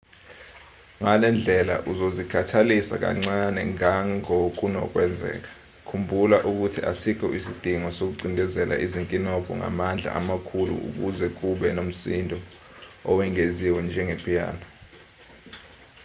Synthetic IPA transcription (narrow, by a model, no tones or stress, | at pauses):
ŋalɛnd͡ɮʱɛla̰ʔuzozikʰatʰalisa̰k̬a̰ŋ͡ǀanɛŋaŋok̬ʼunɔ̰k̬ʼwɛnd͡zʱɛ̰ːk̬ḁ | kʰumbʱulaʔuk̬utʰiasik̬ʰɔisid̥ʱiŋɔsok̬uǀindʱɛzɛla̰ʔiziŋkʼinɔɡ̥ʱɔ̰ŋa̰mand͡ɮʱa̰ʔamakʰulṵṵk̬uzɛk̬uɓɛnom̩sindʱɔ | ɔwɛŋeziwɛnd͡ʒʱɛŋepʰʼija̰ːna